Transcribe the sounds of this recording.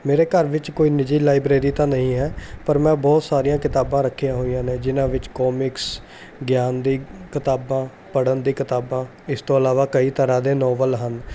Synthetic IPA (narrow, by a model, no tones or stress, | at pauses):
meːɾeːkəɾʋɪt͡ʃkoːiːnɪd͡ʒiːlaːɪbɾeːɾiːt̪ãːnəɦĩːɦɛːpəɾmɛ̃ːbɔːt̪saːɾijãːkɪt̪aːbãːɾəkʰːijãːɦoːijãːnẽːd͡ʒɪnãːʋɪt͡ʃkɔːmɪks | ɡjaːnd̪iːkɪt̪aːbãː | pəɽənd̪iːkɪt̪aːbãː | ɪst̪õːəlaːʋaːkəiːt̪əɾãːd̪eːnɔːʋəlɦən